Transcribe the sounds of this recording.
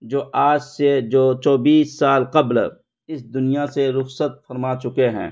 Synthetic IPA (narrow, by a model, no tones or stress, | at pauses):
d͡ʒoːʔaːd͡ʒsed͡ʒoːt͡ʃɔːbiːsːaːlqɐbl | ɪsd̪ʊnijaseɾʊxsət̪̚fɐɾmaːt͡ʃʊkeɦɛ̰̃ː